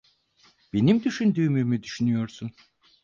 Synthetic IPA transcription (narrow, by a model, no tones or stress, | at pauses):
b̥e̞nimd̪yʃynd̪yːmyːmyd̪yʃynyjo̞ɾsun